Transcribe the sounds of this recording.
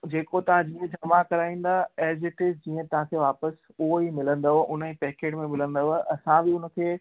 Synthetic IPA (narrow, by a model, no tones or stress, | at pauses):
d͡ʑeːkot̪ɐʋ̤ãd͡ʑiːə̃d͡ʑɐmakɐɾaːĩːn̆d̪aɛːzɪʈɪsd͡ʑĩːə̃t̪ɐʋ̤ãkʰeːʋaːpəs | ʊɦoimɪlə̃nd̪aɦoʔʊnəipɛːkeːʈmẽmɪlə̃nd̪oɦoɐsãbɪʊnə̆kʰeː